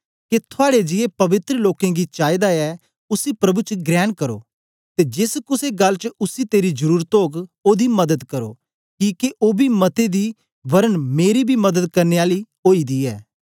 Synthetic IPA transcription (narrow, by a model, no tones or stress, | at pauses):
ket̪ʰʊaːɽed͡ʒɪepɐʋɪt̪ɾəloːkẽɡit͡ʃaːid̪aɛ | ʊsipɾɐbut͡ʃəɡɾɛːnkɐɾo̰ː | t̪ed͡ʒɪskʊseɡɐlt͡ʃəʊsit̪eːɾid͡ʒəɾuːɾt̪oːɡoːd̪imɐd̪əd̪kɐɾo̰ː | kiːkeʔoːbʱimɐt̪ed̪i | ʋɐɾənmeːɾibʱimɐd̪əd̪kɐɾneːaːli | oːid̪iɛː